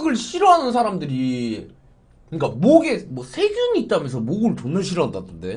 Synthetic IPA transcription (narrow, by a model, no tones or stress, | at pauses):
ɡɯɭɕʰiɾoɦanɯns̬ʰaɾamdɯɾi | kɯɲik͈amoɡe̞mwʌsʰe̞ɡjunit͈̚amjʌnsʰʌmoɡɯɭtonːɯnɕʰiɾoɦandatʰɯnde̞